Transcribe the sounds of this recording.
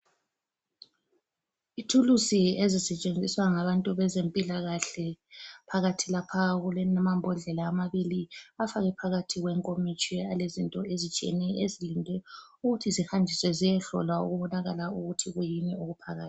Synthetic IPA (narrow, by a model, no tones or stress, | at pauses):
itʰulusiezisɛt͡ʃʼend͡zʱiswaŋaβantʼuβɛzempʼilaɣaɬɛpʰaɣatʰilapʰaɣulɛnamambʱɔɮɛlaːmaβiliafaɣɛpʰaɣatʰiɣwɛŋkʼomit͡ʃʼɛalezintʼɔezit͡ʃʼiɛ̰nɛʔezilindʱɛuɣutʰizixandʱiswɛzijɛɬɔ̰lwaṵɣuβɔnaɣalauɣutʰiɣujinɛoɣupʰaɣa̰ːti̥